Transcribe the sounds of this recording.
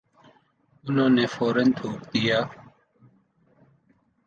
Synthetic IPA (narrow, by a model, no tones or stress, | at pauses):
ʊnõːneːfoːɾənt̪ʰoːɾd̪ɪjaː